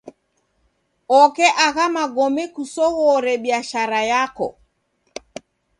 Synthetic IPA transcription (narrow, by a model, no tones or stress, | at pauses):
ɔkɛʔaɣamaɡɔmɛkusɔɣɔɾɛɓiaʃaɾajakɔ̰